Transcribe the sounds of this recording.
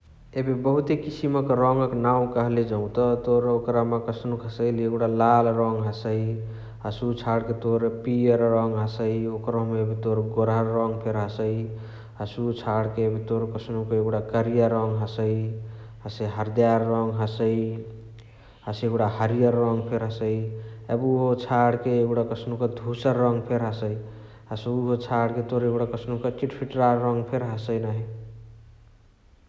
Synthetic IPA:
ebibəɦut̪ekisiməkɾɔŋɡəknaũkəɦled͡ʒəũt̪ɔt̪oɾokɾamekəsnukɦəsəjleeɡuɽalalɾɔŋɡɦəsəi | ɦəsut͡ʃʰaɽket̪oɾpiəɾɾɔŋɡɦəsəiokɾɔmeebit̪oɾɡoɾaːɔŋɡpʰeɾɦəsəi | ɦəsut͡ʃʰaɽkeebit̪oɾkəsnukeeɡɽakəɾijəɾɔŋɡɦəsəi | ɦəsəjɦəɾd̪jaɾːɔŋɡɦəsəj | ɦaseɡuɽahəɾijəɾːɔŋɡpʰeɾɦəsəjebuɦot͡ʃʰaɽkeeuɽakʌsnukɔd̪ʱusəɾːʌŋɡpʰeɾɦəsəj | ɦəsuuɦot͡ʃʰaɽket̪oɾeɡuɽakʌsnukʌt͡ʃiʈpʰiʈɾaɾːɔŋɡpʰeɾɦasəjnaɦi

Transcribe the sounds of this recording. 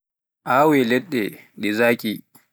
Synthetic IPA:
ʔaːwɛlɛɗːɛɗɛzaːkʲʼi

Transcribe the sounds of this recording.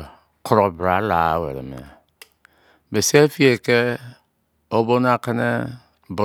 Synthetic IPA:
kʰoɾobɾalawḛɾḛmḛ | besefieke | obonakenḛ | bo

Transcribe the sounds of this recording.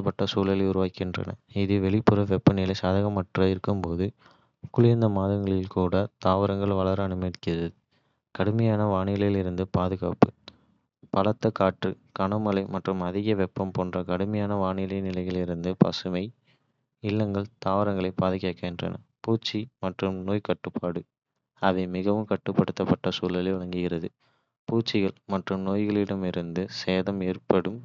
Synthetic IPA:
pɐʈːɐsuːlɐlɐɪʊɾʊʋaːkːɪndrɐ̰nɐ̰ɪðɯʋɛɭɪpːɯɾɐʋɛpːɐnɪlɐɪsaːðɐɣɐmːɐʈrɐɪɾɯkːɯmpoːðɯ | kːʊɭɪɾnd̪ɐmaːðɐŋɡɐɭɪlkuːɽɐt̪aːʋɐɾɐŋɡɐɭʋɐɭɐɾɐnɯmɐɽkːɪðɐðɯ | kɐɽɯmɐjaːnɐʋaːɳɪɐlɪlɪɾɯnd̪ɯpaːðɯɣa̰ːpɯ | pɐɭɐt̪ːɐkaːʈrɯ | kɐɳɐmɐlɐɪmɐʈrɯmɐðɪɣɐʋɛpːɐmpoːndrɐkɐɽɯmɐjaːnɐʋaːɳɪlɐnɪlɐɪɣɐɭɪɾɯnd̪ɯpɐ̰sɯmɐɪ | ɪlːɐŋɡɐɭt̪aːʋɐɾɐŋɡɐɭɐɪpaːðɯkːeːkːɐɛndrɐ̰nɐ̰puːt͡ʃːimɐʈrɯmnoːjkɐʈːɯpʰːaːɽɯ | ɐʋɐɪmɪɣɐʋɯmkɐʈːɯpːɐɽɯt̪ːɐpːɐʈːɐsuːlɐlɐʋɐŋɡɪɣɪrɐðɯ | puːt͡ʃːɪɣɐɭmɐʈrɯmnoːjɣɐɭɪɽɐmɪɾɯnd̪ɯseːðɐmeːrpɐɽɯm

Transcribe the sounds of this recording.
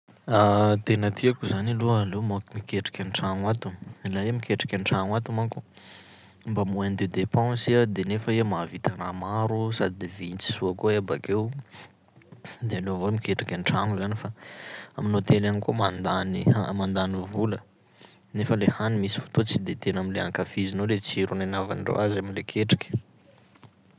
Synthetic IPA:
at̪enət̪ʰiakuzanilualemokumikeʈ͡ʂḁkʲanʈ͡ʂaŋwat̪ulaemikeʈ͡ʂḁkʲaɳʈ͡ʂaŋat̪umaku | mbamuand̪ed̪epãsiad̪enefəemavit̪aramaɾusad̪id̪evint͡si̥suakoebakew | d̪ealovomikeʈ͡ʂḁkʲaɳʈ͡ʂaŋuzanifaaminot̪elanikomand̪aniamand̪anivulə | nefəlehanimisi̥fu̥t̪ut͡sid̪et̪enamileaŋkafizinolet͡siɾunanava̰nɖ͡ʐo̰azamilekʰeʈ͡ʂḁkʲə̥

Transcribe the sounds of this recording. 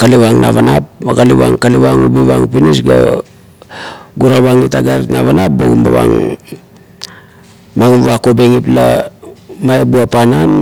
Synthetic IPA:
kaliβaŋna̰βanap̚maɡaliβa̰ŋkaliβaŋubiβaŋpinisɡa̰ | ɡuɾaβaŋitaɡaɾtnaβanap̚bo̰ɡumba̰βa̰ŋ | maɡuβakobe̞ŋipla | maebuapanan

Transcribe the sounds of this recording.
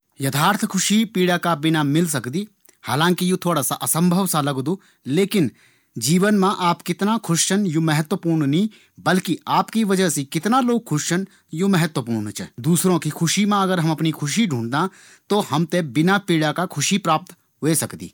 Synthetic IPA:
jɐt̪ʰaːɾt̪ʰkʰʊʃipiːɽakabɪnamɪls̬ɐkd̪iː | haːlãːŋkijut̪ʰoːɽasaʔɐsə̃mbʱəʋsalɐɡd̪uː | leːkɪn | d͡ʒiːʋənmãʔaːpkɪt̪nakʰʊʃʃənjumɛɦət̪wəpuːɾnnĩː | bɐlkiaːpkiʋɐd͡ʒəɦsekɪt̪naloːɡ̚kʰʊʃʃən | jumɛɦət̪wəpuːɾnt͡ʃʰəd̪uːsɾõkikʰʊʃimãɐɡəɾɦɐmɐpnikʰʊʃiɖʱũːɳɖd̪ã | t̪ohɐmt̪ebɪnapiːɽakakʰʊʃipɾaːp̚t̪ | ɦoesɐkd̪ḭː

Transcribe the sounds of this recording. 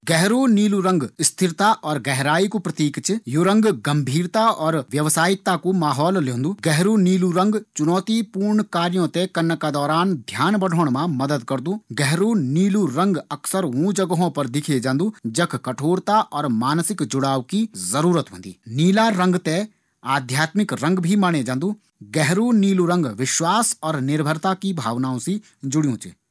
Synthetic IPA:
ɡɛɦɾoniːluɾə̃ŋɡɪst̪ʰɪɾt̪aʔɔːɾɡɛɦɾaːikopɾət̪iːkt͡ʃjoɾə̃ŋɡɡəmbʱiːɾt̪aɔːɾʋjəʋsaːɪk̚t̪akumaːɦɔːlljõːnd̪uːɡɛɦɾuniːluɾə̃ŋɡt͡ʃʊnɔːt̪ipuːɾɳkaːɾijõt̪ekɐɾnkad̪ɔːɾaːnd̪ʱjaːnbəɽ̤oːɳ̃mãmɐd̪əd̪kɐɾd̪uɡɛɦɾoniːluɾə̃ŋɡɐksəɾũd͡ʒəɡəɦõpɐɾd̪ɪkʰed͡ʒãːnd̪ud͡ʒɐkʰkɐʈʰoːɾt̪aʔɔːɾmaːnsɪkd͡ʒʊɽaːwkizɐɾuːɾət̪ɦõːnd̪ḭːniːlaɾɐ̃ŋɡt̪e | aːd̪ʱjaːt̪mɪkɾɐ̃ŋɡbʱimaːɽ̃ed͡ʒãːnd̪u | ɡɛɦɾuniːluɾə̃ŋɡʋɪʃwaːsɔːɾnɪɾbʱəɾt̪akibʱaːʋnaːõsi | d͡ʒʊɽijõt͡ʃḛː

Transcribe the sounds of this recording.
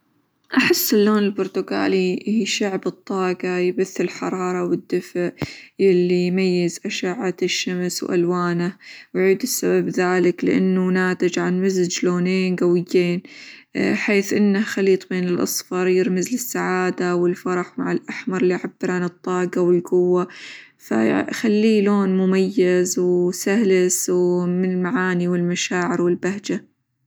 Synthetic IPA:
ʔaħɪsːɪlːoːnɪlbʊɾˤt̪ʊɡa̰ːlihiːʃaʕbɨt̪ˤːɑːɡajɪbaθːɪlħɑɾˤɑːɾˤɑwɪd̪ːɪfʔjɪlːijmajːɪzʔaʃaʕːaʃːamswʔa̰lwaːnawʕiːd̪ɪsːababðaːlɪklɪ̰ʔa̰nːunaːt̪ɪd͡ʒʕanmazɪd͡ʒloːneːnɡawɪjːeːn | ħeːθʔɪnːahxaliːt̪ˤbeːnɪlʔɑ̰sˤfɑɾˤjɪɾmɪzlɪsːaʕaːd̪awɪlfɑɾˤɑħmaʕɪlʔaħmɑɾˤlːiːʕabːɪɾˤʕanɨt̪ˤːɑːɡɑwɪlɡʊwːa | fa̰xalːiːloːnmʊmajːazwsahlɪswmɪnɪlmaʕaːniwɪlmaʃaːʕɪɾwɪlbahd͡ʒa

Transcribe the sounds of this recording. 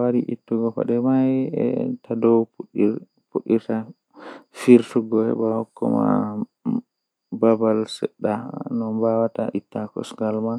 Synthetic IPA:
waɾiʔḭtːuɡɔkɔ̰ɗɛmajɛ̰tʰadɔwpɗi | puɗːiɾta | fiɾtuɡɔɛ̰bawkːɔ̰ma̰ | babalsɛ̰ɗːanɔbawata̰ʔitːakɔ̰sɡalman

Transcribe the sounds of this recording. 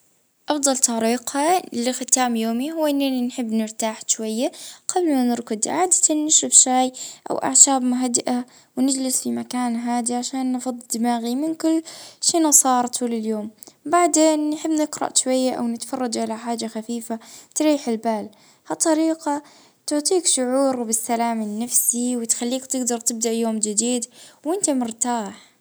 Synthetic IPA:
ʔɑfd̪ˤɑlt̪ˤɑɾiːqhalɪxɪt̪aːmjoːmihʊwːʔɪnːaninħɪbːnɪɾt̪aːħʃwajːaqablmanɪɾkʊd̪ʕaːd̪ḁt̪anːɪʃʊfʃaːjʔa̰wʔa̰ʕʃaːbmʊɦad̪ɪʔa | wnɪd͡ʒlɪsfimakaːnɦaːd̪iʕaʃaːnːfɑd̪ˤd̪maːɣimɪnkʊlːʃiːnɑsˤɑːɾˤt̪ʰuːlɪljoːmbaʕd̪eːnːħɪbːnɪqɾɑ̰ʔʃwajːaʔa̰wnɪt̪fɑrˤːɑd͡ʒʕalaħaːd͡ʒaxafiːfat̪ɾiːħɪlbaːl | hɑt̪ˤːɑɾiːqa | t̪ʊʕt̪ˤiːkʃʊʕuːɾbɪsːalaːmɪnːafsiwɪt̪xalːiːkt̪ɪɡd̪ɑɾˤt̪ɪb̚d̪aʔjoːmd͡ʒɪd̪iːd̪wʔɪnt̪amʊɾt̪aːħ

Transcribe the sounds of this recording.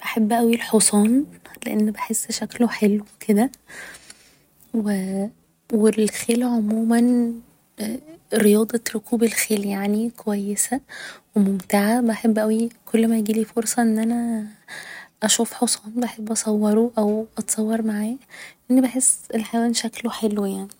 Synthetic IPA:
b̥aħebːʔæwilħosˤɑːnleʔenːbeħesːʃækloħelwekʰed̪æ | we | welxeːlʕomuːmæn | ɾejɑːd̪ˤɑɾokʰuːbelxeːljaʕnikowæjːesæwemomt̪aʕabaħebːʔæwikʰolːmæjɡiːliːfoɾsˤɑʔenːʔænæ | ʔæʃuːfħosˤɑːnbaħebːʔɑsˤɑwːɑɾˤoʔæwʔɑt̪sˤɑwːɑɾˤmaʕaːjeʔenːibeħesːʔelħawænʃækloħelwejaʕni

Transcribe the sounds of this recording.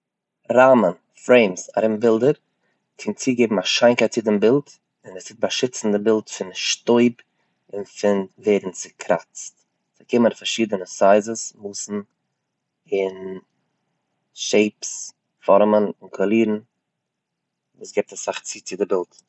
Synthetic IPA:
ɾaːmən | fɾeɪmsa̰ɾɪmbɪlˠdəɾ | kʰɪnt͡siːɡeɪbm̩aʃaɪnkaɪt̚t͡sɪdɪmbɪlˠt | ɪnɛsɪt̚baʃɪt͡sn̩dɪbɪlˠtfɪnʃtoɪb | ɪnfɪnveːdn̩t͡sɪkʰɾa̰t͡st | sɪkɪməɾfaɾʃiːdənəsaɪzəsmuːsn̩ | ɪn | ʃeɪps | fɔɾmənɪnkʰɔlˠiːɾn̩ | vṵːsɡɛp̚tasaχt͡siːt͡sɪdɪbɪlˠt

